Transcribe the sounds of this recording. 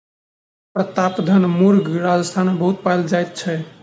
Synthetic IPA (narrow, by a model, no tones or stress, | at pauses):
pɾət̪apd̪ʱənmuɾɡʱɾad͡ʒəst̪ʰanbəɦut̪̚pajld͡ʒajt̪̚t͡ʃʰɛ